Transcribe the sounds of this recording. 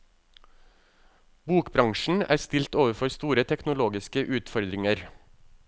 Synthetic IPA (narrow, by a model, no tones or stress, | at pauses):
buːkbɾɑŋʃn̩æ̰ːɾst̪ɪlt̪oːʋəfɔɾst̪uːɾət̪ʰɛknʊloːɡɪskəʔʉːt̪fɔɾd̪ɾɪŋəɾ